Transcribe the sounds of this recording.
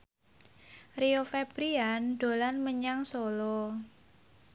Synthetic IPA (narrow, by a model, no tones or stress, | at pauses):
riofeb̥ɾianɖ̥o̤lanməɲaŋsolɔ